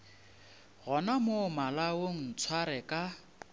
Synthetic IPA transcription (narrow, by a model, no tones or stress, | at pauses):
ɣɔnamʊmalawoŋ̩t͡sʰwaɾɛkʼa